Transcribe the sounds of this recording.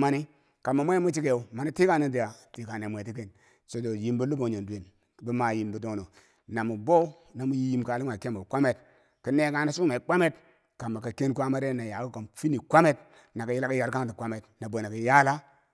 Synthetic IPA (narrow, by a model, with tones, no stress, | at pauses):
ma˦ni˦ | ka˨mːa˨mʷe˦mu˦t͡ʃi˦ke˨u˨ma˨ni˦ti˦ka˦ni˦n˦di˨ja˨ti˨ka˨ne˨mʷe˨ti˦k̬e˦˨n | so˨do˨ji˦mbu˦lu˦bo˨ɲo˨ndu˨e˨n | bi˦ma˨ji˦mbu˦do˨˦˨no˨ | na˨mu˨bo˦ | na˨mu˦ji˦ji˦mka˨li˦ŋʷa˨ke˦mo˨kʷa˦me˦t | ki˦ne˦ka˦na˨su˦ma˨i˨k͡pa˦me˦t | ka˨mːa˨ka˨ke˦nkʷa˦ma˦ɾe˦na˨ja˨ku˦ko˨mfi˦ni˨kʷa˦me˦t | na˨ka˨ji˦la˦ka˦ja˨ɾka˦ŋti˨kʷa˦me˨tna˨bo˨na˨ka˨ja˦la˦